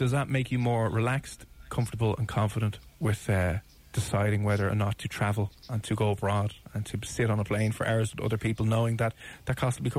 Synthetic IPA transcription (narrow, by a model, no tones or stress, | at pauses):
d̥ʌzðəʔ̚meɪkʰjəmɔːɹɹɪlækstkʰʌ̃ɱftəbələ̰̃nkʰɑ̃ɱfəɾə̃nʔwɪð̥ʌ | d̥ɪsaɪɾɪ̃ŋwɛðə˞ə̰nətʰətʰɹ̥avəlˠə̃ntʰəɡoʊbɹɔːɾə̃ntʰəsɪɾn̩əpʰl̥ẽɪ̃nfə̰˞ʔa̰ʊɹə˞zə̃nʌ̰ðə˞pʰipəlˠnoʊɪ̃ŋðət̪̚ðət̚kʰɔstəbikʰ